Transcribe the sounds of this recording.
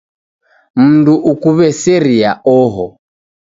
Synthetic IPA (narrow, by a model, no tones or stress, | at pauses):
m̩nduʔukuβɛsɛɾiaʔɔɦɔ